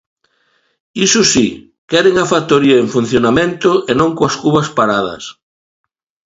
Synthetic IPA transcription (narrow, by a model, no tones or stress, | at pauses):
isʊsi | kɛɾeŋafat̪oɾiɐeɱfun̟θjonamẽnt̪ʊʔenõŋkwɐskuβɐspaɾaðɐ̰s